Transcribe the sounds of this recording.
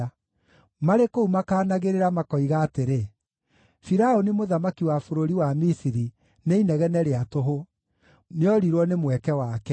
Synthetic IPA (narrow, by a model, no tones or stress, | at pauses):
maɾekoumakaːnaɣeɾeɾamakɔiɣaːteɾe | fiɾaonimoðamakiwafoɾoɾiwamisiɾi | neinɛɣɛnɛɾeatoɦo | neɔɾiɾwɔnemwɛkɛwakɛ